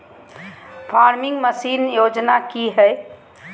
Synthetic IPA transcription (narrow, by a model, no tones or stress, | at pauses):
pʰaɾmiŋɡməsinjod͡ʒnakiɦɛɪ